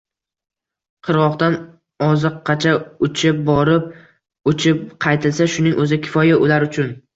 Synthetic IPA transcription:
qʰɨɾwɒχt̪an | ɒzɨqʰːɑt͡ʃʰaʊt͡ʃʰɪp̚bɒɾɪp̚ | ʊt͡ʃʰɪp̚qʰɑjt̪ʰɪlsaʃʊnɪŋʔɵzɪkʲʰɪ̥fɒjaʔʊlaɾʊt͡ʃʰʊn

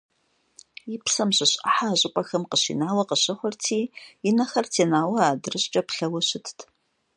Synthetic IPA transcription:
jipsɐmɕɪɕʼɐ̰ħaːʑʼɪpʼɐxɐmqəɕḭːnaːwɐqəɕɐχʷʊrtʰiːjɪnɐxɐrtʰeːnaːwɐaːdɨrɨɕt͡ʃʼɐpɬɐwɐɕɪtʰtʰ

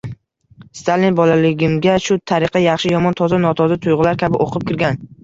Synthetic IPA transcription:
st̪ʰalinbɒlalɪɡʲɪmɡʲaʃʊt̪ʰaɾɪqʰɑjɑχʃɪjɒmɒnt̪ʰɒzanɒt̪ʰɒzat̪ʰʊjʁɨlaɾkʲʰabɪʔoqʰɨp̚kʲʰɪɾɡʲan

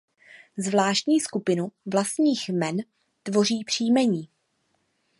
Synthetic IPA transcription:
zvlaːʃt̪ɲiːskupɪnuvlast̪ɲiːxmɛn | t̪vo̞riːpr̝̥iːmɛɲiː

